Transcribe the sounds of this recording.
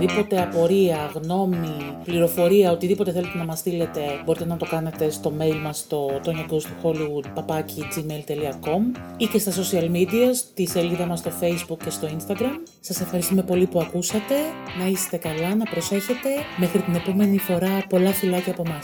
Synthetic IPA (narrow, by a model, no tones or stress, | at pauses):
ðipo̞t̪e̞ɐpo̞ɾiɐɣno̞mipliɾo̞fo̞ɾiɐo̞t̪iðipo̞t̪e̞θe̞le̞t̪e̞nɐmɐst̪ile̞t̪e̞bo̞ɾit̪enɐt̪o̞kɐne̞t̪e̞st̪o̞me̞jlmɐst̪o̞t̪oɲɐɡost̪uxo̞liɣud̪pɐpɐcid͡zimelt̪e̞liɐko̞mice̞st̪ɐs̬o̞siɐlmid̪iɐst̪ise̞liðɐmɐst̪o̞fe̞jzbukcːe̞st̪o̞inst̪ɐɡɾɐm | sɐse̞fxɐɾist̪ume̞po̞lipuɐkusɐt̪e̞nɐist̪e̞kɐlɐnɐpɾo̞se̞çe̞t̪e̞me̞xɾit̪ine̞po̞me̞nifo̞ɾɐpo̞lɐfilɐcɐːpo̞mɐs